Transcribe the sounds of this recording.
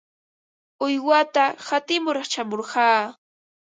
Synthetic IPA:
ʊjwat̪ahat̪ɪmʊɾɑχt͡ʃamoɾɢɑː

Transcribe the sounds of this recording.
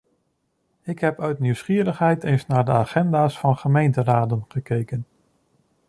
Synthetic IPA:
ɪkɦɛpœɥtniwsχiːəɾəχɦɛjtesnaːɹdəaːχɛndaːsfɑnχəmejntəraːdənχəkejkən

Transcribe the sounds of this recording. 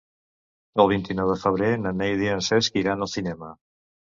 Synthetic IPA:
əlˠβ̞int̪inɔwðəfəβ̞ɾenənejðiənseskiɾanəlˠsθinɛmə

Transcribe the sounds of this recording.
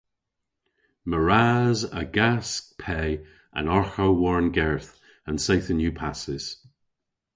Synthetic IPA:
məɹazə̰ɡask̚pʰɛ | ʔə̰̃nɔɹxoʊwɔɹnɡɛɹθ | ə̃nsejθənjʉːpʰasɪz̥

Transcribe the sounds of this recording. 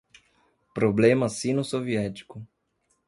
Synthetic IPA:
pɾoblẽmɐsĩnʊsoviɛt̪i̥kʊ

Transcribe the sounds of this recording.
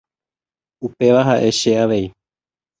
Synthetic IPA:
upe̞ʋaɦaʔe̞ʃeaʋe̞i

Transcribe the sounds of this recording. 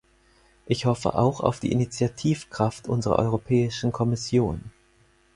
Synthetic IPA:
ʔɪçhɔfə̰ʔa̰ʊxa̰ʊfd̥ḭːʔɪnit͡sjatʰiːfkʁ̥aftʔʊnzəʁɐ̰ʔɔ̰ʏʁ̞opʰɛːɪʃn̩kʰɔmɪsjoːn

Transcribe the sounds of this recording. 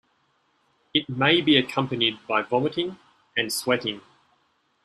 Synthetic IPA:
ɪt̚meɪbiɨkʰʌ̃mpənid̚bɑɪvɒməɾɪ̃ŋ | ɨ̃nswɛɾɪ̃ŋ

